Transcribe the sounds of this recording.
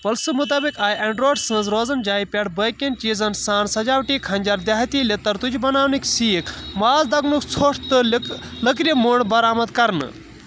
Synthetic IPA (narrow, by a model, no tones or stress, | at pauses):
pɐlsɨmut̪aːbikaːjʔɐɳɖɾoːɖsə̃ːnzɾoːd͡zɐnd͡ʒaːipʲeɽbəjkent͡ʃiːzɐnsaːnsɐd͡ʒaːwʈikʰɐ̃nʲd͡ʒaɾd̪jaːɦt̪ilet̪ɐɾt̪ud͡ʒʰibɐnaːwniksiːkʰmaːzd̪ɐɡmukʰt͡sʰoːʈʰt̪ɨləkɾimoɳbɐɾaːmɐd̪kɐɾnɨ̰